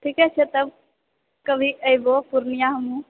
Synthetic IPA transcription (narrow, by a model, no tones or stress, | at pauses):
ʈʰiːkɛt͡ʃʰet̪ɐb̚ | kəbʱiəibopʊɾnijaɦɐmũ